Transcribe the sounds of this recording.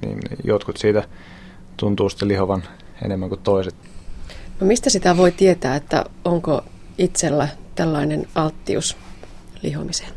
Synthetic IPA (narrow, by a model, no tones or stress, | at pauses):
nḭːnjot̪kut̪siːt̪æ | t̪unt̪uːst̪ːelihoʋɑn | ḛnemːæŋkut̪t̪ːoiset̪ | nomist̪æsit̪æʋo̞it̪iet̪æːet̪ːæ̰oŋkoit̪selːæt̪ælːɑinenɑlt̪ːiuslḭɦo̰mise̥n